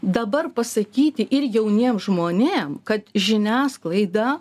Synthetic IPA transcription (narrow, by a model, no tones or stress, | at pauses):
d̪ɐbɐrpɐsɐkʲiːt̪ʲɪʔɪrjɛʊnʲiːmʒmoːnʲeːmkɐt̪ʒʲɪnʲæːsklˠɐɪd̪ɑː